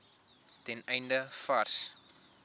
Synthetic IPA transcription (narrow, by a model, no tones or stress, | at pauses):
tɛnɛjndəfɐrs